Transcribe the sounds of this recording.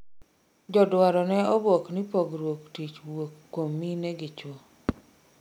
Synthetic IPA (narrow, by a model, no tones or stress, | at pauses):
d͡ʒɔdwaɾɔnɛɔboknɪpoɡɾwoktit͡ʃwokːwomːinɛɡɪt͡ʃwo